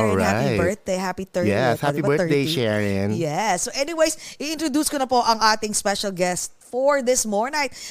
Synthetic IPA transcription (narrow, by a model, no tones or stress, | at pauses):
ɔɹahabɛ˞θ̚d̪ejɦapit̪ɜɹjɛshapibɛ˞d̪ejʃɛɹɪ̃ŋjɛsːoʔɛniwejsʔɪɪnt̪ɾod̪uːskonɐpoʔɐŋʔaːt̪ɪŋspɛʃɐlɡɛst̪̚fɔɹðɪsmɔɹnajt̪̚